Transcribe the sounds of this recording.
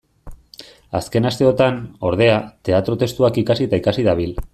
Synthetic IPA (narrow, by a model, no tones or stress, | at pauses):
a̰ske̞nast̪e̞o̞t̪ano̞ɾðe̞at̪e̞at̪ɾo̞t̪e̞st̪uakikasit̪aikasiðaβ̞il